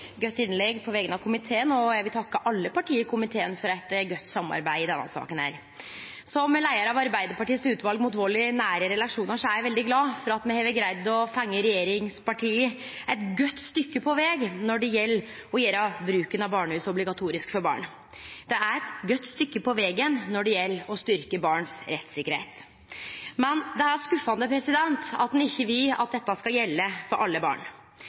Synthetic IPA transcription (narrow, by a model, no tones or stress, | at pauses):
ɡœt̪ːɪnlɛɡpʰɔʋɛɡənɑʋkʰʊmɪt̪ʰeːənɔjæɡʋɪlt̪ʰɑkːəʔɑlːəpɑʈʰiːəkʰʊmɪt̪ʰeːənfɔɾæɪt̪ɡœt̪ːsɑmːɑ̰ɾbæɪɪd̪ɛnːə̰sɑ̰ːkənæ̰ːɾ | sɔmlæɪəɾɑʋɑɾbæɪd̪əpɑʈiːəsʉːt̪ʋɑlɡmʊt̪ʋoːɭɪnæːɾəɾɛlɑʂuːnəʂɔæjʋɛld̪ɪɡlɑːfɔɾɑt̪mɛhɛːʋɪɡɾæɪd̪ɔfɑŋːəɾɛjeːɾɪŋspʰɑʈʰiːə | æɪt̪ɡœt̪ːst̪ʏkːəpʰɔʋɛɡnɔɖɛjɛlː | ɔjeːɾɑbɾʉːkənɑbɑːɳʉːsɔblɪɡɑt̪ʰuːɾɪskfɔɾbɑ̰ːɳ | d̪̥ɛæɾɛt̪ɡœt̪ːst̪ʏkːəpɔʋɛːɡənnɔɖɛjɛlːɔst̪ʏɾkəbɑːɳsɾɛt̪ːsɪkːəɾhḛːt̪ | mɛnd̪ɛæskʉfɑnəpʰɾɛsɪd̪ɛnt̪ɑ̰t̪̚d̪ɛnɪçːəʋɪlɑt̪̚d̪ɛt̪ːɑskɑjɛlːəfɔɾʔɑlːəbɑ̰ːɳ